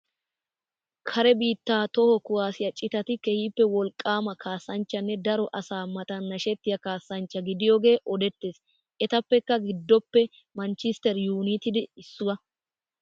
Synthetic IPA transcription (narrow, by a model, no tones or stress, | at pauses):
kʰɐɾɛbiːt̪ːaːt̪ɔhɔkʊwaːsɪjɐt͡ʃʼːɪt̪ɐt̪ɪkɛhiːpːɛwɔlkʼːaːmɐkʰaːsːɐnt͡ʃːɐnːɛd̪ɐɾɔʔɐsaːmɐt̪ɐnːɐʃɛt̪ːɪjɐkaːsːɐnt͡ʃːɐɡɪd̪ɪjɔɡe̞ːʔɔd̪ɛt̪ːeːs | ʔɛt̪ɐpːɛkːɐɡɪd̪ːɔpːɛ | mɐnt͡ʃɪst̪ɛɾjuːnɪt̪ɪd̪ɪɪsːʊwɐ